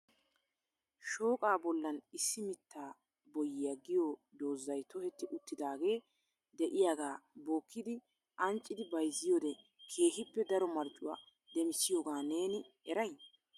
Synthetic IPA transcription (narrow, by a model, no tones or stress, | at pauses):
ʃo̞ːkʼaːbɔlːɐnɪsːɪmɪt̪ːaː | bɔjːɪjɐɡɪjoːd̪o̞ːzːɐjt̪ɔhɛt̪ːɪʔʊt̪ːɪd̪aːɡe̞ː | d̪ɛʔɪjaːɡaːboːkʰːɪd̪ɪ | ʔɐnt͡ʃʼːɪd̪ɪbɐjzːɪjoːd̪ɛ | kʰe̞ːɦɪpːɛd̪ɐɾɔmɐɾt͡ʃʼːʊwa̰ː | d̪ɛmɪsɪjoːɡaːne̞ːnɪ | ɛɾɐjn